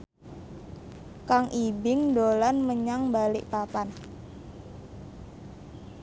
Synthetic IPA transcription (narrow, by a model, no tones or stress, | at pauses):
kaŋʔibɪŋdolanməɲaŋbalɪʔpapan